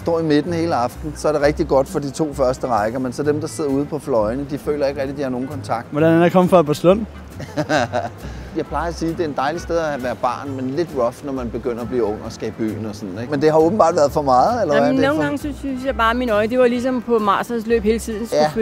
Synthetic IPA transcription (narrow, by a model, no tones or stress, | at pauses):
sd̥ɒ̰ːime̝d̥n̩he̝ːləɑ̈fd̥n̩sɒ̽æɐɾe̝ʁɛɡ̥̚d̥iɡ̥ɒ̽d̥fɒ̽d̥it͡sʰo̝̰ːfɶɐsd̥əʁɑ̈ɪɡ̥ɐmensɒd̥emd̥ɑ̈se̝ð̞̰ˠɐuːð̞ˠpʰɒ̽flɒ̽ɪnəd̥ifø̰ːlɐe̝ɡ̥ʁɛɡ̥̚d̥id̥ihɑ̈no̝ːn̩kʰɒ̽nt͡sʰɑ̈ɡ̥̚d̥ʋɒdɾænænakʰɒ̽mfʁɑ̈æb̥ɑ̈səlɔn̰ | jɑ̈ɪpʰlɑ̈ɪɐæsiːd̥e̝æɐed̥ɑ̈ɪlisd̥eð̞ˠæʋæːɐb̥ɑ̰̈ːnmenle̝d̥ʁɒfnɒmænb̥e̝ɡ̥øn̰ɐɒb̥liːɔ̽ŋ̰ɒ̽sɡ̥ɛːb̥y̰ːn̩ɒ̽sɒ̽nn̩eɡ̥mend̥e̝ɦɑ̈ɔːb̥n̩b̥ɑ̰̈ːd̥ʋæːɐðˠfɒ̽mɑ̈ːð̩ˠelɐno̝ːnɡ̥ɑ̈ŋsysjɑb̥ɑ̈ːæminɒ̽ɪd̥e̝ʋɑlisɒ̽mpʰɒ̽mɑ̰̈ːsɐslø̰ːb̥heːlət͡sʰið̰ˠn̩sjææ̥